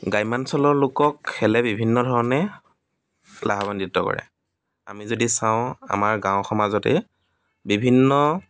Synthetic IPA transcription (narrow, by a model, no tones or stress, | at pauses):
ɡajmansɔlɔɹlokɔkxɛlɛbibʱinːɔdʱɔɹɔnɛ | laɦabanditːɔkɔ̰ɹɛ̰ | a̰mizodisãʊ̃a̰maɹɡãʊ̃xɔmazɔtɛ̰ | bibʱinːɔ